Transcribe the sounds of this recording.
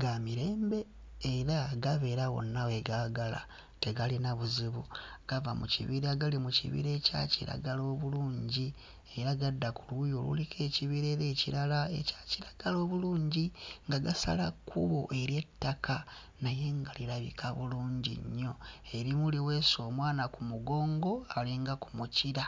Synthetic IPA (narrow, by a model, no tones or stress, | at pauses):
ɡamiɾe̞ːmbe̞ː | ɾaɡaβe̞ːɾaɣo̞̰nːawe̞ɡaːɡala̰ | te̞ɡalinaβuziβuɡ̥avamucḭβiɾaɡalimucḭβḭɾe̞ca̰ciɾa̰ɡalo̞ːβuluːɲɟi | e̞ɾaɡadːakulujo̞lṵlikʰe̞ciβiɾe̞ːɾeciɾalae̞̰cḁciɾaɡ̥alo̞ːβuluːɲɟiŋɡaɡasa̰lakʰuβo̞̰ʔe̞ɾje̞tːakʰa | naje̞ŋɡaliɾaβḭkʰaβṵluːɲɟḭɲːo̞eɾimuliwe̞so̞ːmwaːnakumuɡo̞ːŋɡo̞aliŋɡakumuciɾa